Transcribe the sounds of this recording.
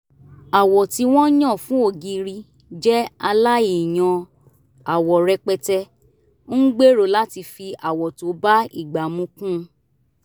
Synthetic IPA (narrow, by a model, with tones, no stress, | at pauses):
a˨wɔ˨ti˧w̃ɔ̃˦jɔ̃˦˨fũ˨˦o˦˨ɡi˧ɾi˧ | d͡ʒɛ˦a˧la˦i˨j̃ɔ̃˧ | a˨wɔ˨ɾɛ˧k͡pɛ˧tɛ˧ | n̩˦ɡ͡be˦ɾo˦˨la˦ti˧fi˧a˨wɔ˨to˨˦ba˦ḭ˦˨ɡ͡ba˨mũ˧˦kũ˦˧